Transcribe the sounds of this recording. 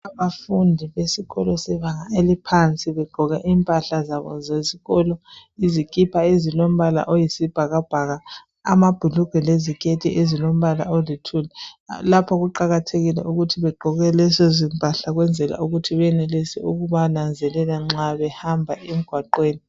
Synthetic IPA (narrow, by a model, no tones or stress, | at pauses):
aβafundʱiβesiɣɔlɔsɛβaɣaelipʰant͡sʼiβɛɡ͡ǃʱɔɣɛʔiːmpʼaɬazaβɔ̰zeziɣɔlɔizikʼipʰaezilom̩βala̰ʔojisib̥ʱaɣab̥ʱaɣa | a̰mab̥ʱuluɡ̥ʱwɛlezikʰʼetʰiʔezilom̩βala̰olitʰulɛlapʰɔɣuǃaɣatʰeɣilɛ̰ʔuɣutʰiβɛɡ͡ǃʱɔɣɛlɛsezimpʼaɬaɣwɛnd͡zʱɛla̰uɣutʰiβɛnɛlesɛ̰uɣuβanand͡zʱɛlɛlaŋ͡ǁaβɛhambʱaʔem̩ɡ̥ʱwaǃweːni